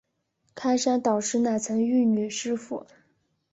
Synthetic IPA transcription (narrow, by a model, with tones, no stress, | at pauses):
kʰa˥ɪʂa˥nt̪ɑ˨˩ʊʂɻ̩˥na˥˩t͡sʰɤ˧˥ŋy˥˩ny˨˩ʂɻ̩˥fṵ˨˩˦